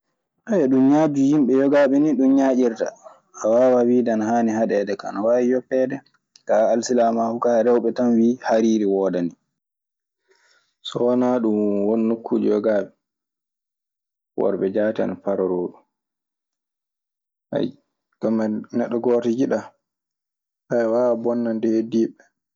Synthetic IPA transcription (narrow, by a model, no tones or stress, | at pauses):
ʔajɛɗumɲaːd͡ʒuhimɓɛjɔɡaɓɛniɗumɲaʔiɾta̰ː | wawawidanhaːnihaɗɛdɛka̰nawawijɔpːɛdɛ | kaːlsilamahukaɾɛwɓɛtanwiːhaɾiːɾiwɔːdani | sɔwanaɗumwonːukʰːud͡ʒɔɡaːɓɛ | wɔ̰ɾɓɛd͡ʒaːtia̰napaɾɔɾoːɗu | a̰ | ɡ̥amanɛɗːɔɡɔɾtid͡ʒiɗa | hajwabɔnːandɛhediːɓɛ